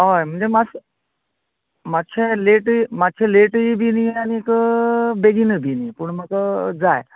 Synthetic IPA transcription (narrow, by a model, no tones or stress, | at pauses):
ojm̤əɳd͡zemas | matt͡ɕʰeleʈmat̚ːt͡ɕʰeleʈibinieanikəbeɡinəbʱiniepuɳməkəd͡zaj